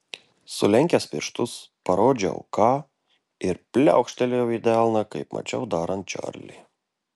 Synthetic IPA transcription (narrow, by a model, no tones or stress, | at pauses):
sʊlʲɛŋʲkʲespʲɪɾʃt̪ʊspɐɾoːd͡ʒʲɐ̰ʊkɑː | ɪɾpʲlʲæ̰ˑʊkʃʲt̪ʲɛlʲejɛʊɪd̪ʲɛɑːlˠnɐkɐɪpmʔɐ̰t͡ʃʲɛ̰ʊd̪ɑːɾɐnt̪̚t͡ʃʲɑ̰ɾʲlʲḭ